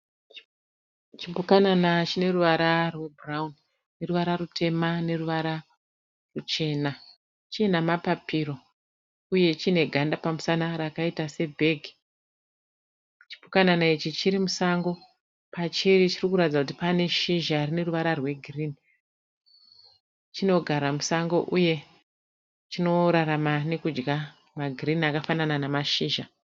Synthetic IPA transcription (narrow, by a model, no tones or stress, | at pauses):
t͡ʃipukananat͡ʃine̞ruʋaɾarwe̞braun | ne̞ruʋaɾarutʰe̞mane̞ruʋaɾa | rut͡ʃe̞ːna | t͡ʃienamapapʰiɾo̞ | uje̞t͡ʃine̞ɡʱandapamusanaɾakaitase̞bʱe̞ɡʱi | t͡ʃi̥pukananait͡ʃit͡ʃiɾimusaŋɡo̞ | pat͡ʃiɾit͡ʃirikuɾatid͡zakuti̥pane̞ʃiʒarine̞ruʋaɾarwe̞ɡʱirini | t͡ʃino̞ɡʱaɾamusaŋɡo̞̰ʔuje̞ | t͡ʃino̞ɾaɾamane̞kud͡ʒɡa | maɡʱirinakafanananamaʃiːʒa